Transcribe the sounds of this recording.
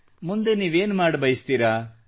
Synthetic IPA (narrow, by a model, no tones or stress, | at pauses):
mund̪e̞niːʋe̞ːnmaːɽbɐjist̪iɾa